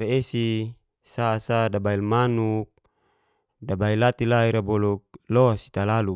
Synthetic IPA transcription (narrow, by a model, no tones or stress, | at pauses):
ɾeesi | sasadabailmanuk̚ | dabailat̪ilaiɾabɔluk̚lɔasi̥t̪alalu